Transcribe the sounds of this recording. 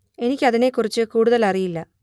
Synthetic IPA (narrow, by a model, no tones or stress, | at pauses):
e̞nikʲːɐðine̞kːurit͡ɕːɨkuːɽuðɐlɐrijilːɐ